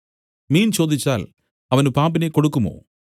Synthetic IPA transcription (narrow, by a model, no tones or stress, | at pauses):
miːnt͡ɕo̞ːd̪ʱit͡ɕːaːl | ɐʋɐnupaːmbinekːo̞ɽukːumo̰ː